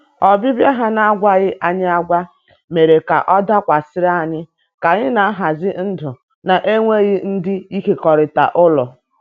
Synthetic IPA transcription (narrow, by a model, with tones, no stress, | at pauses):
ɔ˨bɪ˦bja˦ɦa˦na˦a˦ɡʷa˦ɣɪ˦ʔa˦ɲɪ˦a˦ɡʷa˦ | me˨ɾe˨ka̰˨ʔɔ˦da˦kʷa˨sɪ˦ɾa˦˨ɲɪ˦ | ka˨ɲɪ˦na˨a˦ɦa˨zɪ˦n̩˦dʊ˨ | na˨ʔe˦ŋʷe˦ɣɪ˦n̩˦dɪ˦i˦ke˨kɔ˨ɾɪ˨ta̰˨ʔʊ˦lɔ˨